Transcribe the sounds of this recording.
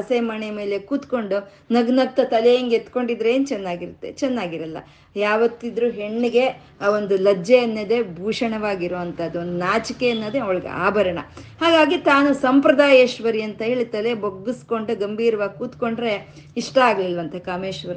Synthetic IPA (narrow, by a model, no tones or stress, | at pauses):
ɐsemɐneme̞ːle̞kuːt̪ko̞ɳɖu | nɐɡnɐk̚t̪ɐt̪ɐlejɐŋɡet̪ːko̞ɳɖid̪ɾeeːnt͡ʃɛnːaːɡiɾut̪ːe̞̰t͡ʃɛnːaːɡiɾɐlːɐ̰ | jaːʋɐt̪ːid̪ɾuːɦe̞ɳːiɡe̞ | o̞nd̪ulɐd͡ʒeɐnːɐd̪e̞bʱuːʂɐɳɐʋaːɡiɾoːʋɐnt̪ɐɐd̪uond̪unaːt͡ʃikeɐnːɐd̪eɐʋɭɐɡḛa̰ːbʱɐɾɐɳɐ̰haːɡaːɡit̪aːnusɐmpɾɐd̪aːjeːʃʋɐɾiɐnt̪ɐɦeːɭit̪ɐle̞boɡːisko̞ɳɖuɡɐmbʱiːɾɐʋaːɡkuːt̪ko̞ɳɖɾe̞ | iʂʈɐaːɡɐlilʋɐnt̪ʰɐkaːmeːʃʋɐɾi